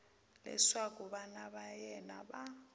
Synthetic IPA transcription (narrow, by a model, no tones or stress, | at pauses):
lɛ̰swakʼuβanaβajɛna̰ɓa